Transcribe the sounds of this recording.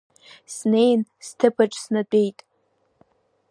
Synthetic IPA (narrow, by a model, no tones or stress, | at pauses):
sne̞jnstʰɨpʰaʈ͡ʂʼsnat͡pʷʼejtʼ